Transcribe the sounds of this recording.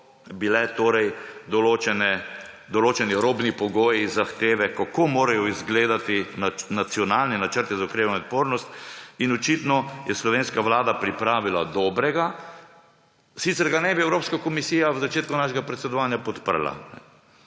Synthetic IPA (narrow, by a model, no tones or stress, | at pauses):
bilɛt̪oːɾɛjd̪ɔloːt͡ʃɛnɛ | d̪ɔloːt͡ʃɛniɾoːbnipɔɡoːjizːaxt̪eːʋɛkakomoːɾajɔizɡleːd̪at̪inanat̪sjɔnaːlnɛnat͡ʃəɾt̪izaukɾeːʋanɔot̪̚poːɾnɔst̪inɔt͡ʃit̪nɔjɛslɔʋeːnskaʋlaːd̪apɾipɾaːʋilad̪ɔːbɾɛɡa | sit̪sɛɾɡanɛbiɛwɾoːpskakɔmisijawzat͡ʃeːt̪̚kunaːʃɛɡapɾɛt̪sɛd̪ɔʋaːnjapɔt̪pə̰ɾla̰nɛ̰